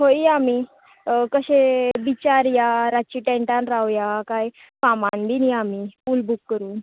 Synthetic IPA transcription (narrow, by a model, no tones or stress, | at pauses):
ɦoiami | kəɕebit͡ɕaɾjaɾat͡ɕiʈɛ̃ɳʈãnɾawjakaj | famanb̪iniamipulbukːəɾuːn